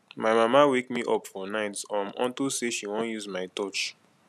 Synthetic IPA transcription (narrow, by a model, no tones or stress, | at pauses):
maɪmamawekmiʔɔpfɔnaɪtsãmʔɔ̰̃ntuseʃiwɔ̃njuzmaɪtɔt͡ʃ